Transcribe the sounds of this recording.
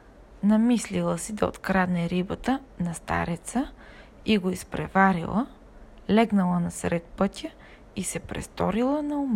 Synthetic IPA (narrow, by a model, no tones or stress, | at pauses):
nɐmislilˠəsid̪ɐo̰t̪kɾad̪nɛɾibət̪ənɐst̪a̰ɾɛt̪sə | iɡoispɾɛvaɾḭlˠə | lɛɡnɐlˠənɐsɾɛt̪̚pɤt̪ʲə | isɛpɾɛ̰st̪ɔɾilˠənɐum